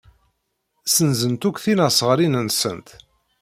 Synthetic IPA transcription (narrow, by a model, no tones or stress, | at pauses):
sənzənt̪ukθinəsˤəʁɾinənsə̰nt̪